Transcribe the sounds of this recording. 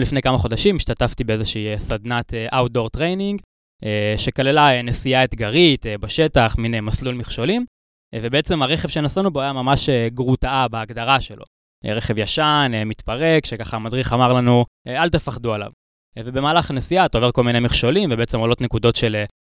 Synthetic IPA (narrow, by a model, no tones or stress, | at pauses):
lifnejkamaχo̞d̪aʃimiʃt̪at̪aft̪ibeezeʃiisad̪nat̪ʰeʔawt̪̚d̪o̞ʁt̪ʁejniŋɡ | eʃekalelaenesiaet̪ɡaʁit̪ebaʃe̞taχminemaslulmiχʃo̞lim | vebeet͡se̞maʁeχevʃe̞nasanubejamamaʃeɡʁut̪aabeːɡdaʁaʃe̞lʔo̰ | ḛʁeχevjaʃanemit̪paʁe̞kʃekaχamadʁiχamaʁlanuealt̪efaχd̪uala̰v | ve̞bemaːlaχanesiat̪ove̞ʁko̞lminejmiχʃo̞limvebeet͡se̞molo̞t̪ne̞kud̪o̞tʃe̞l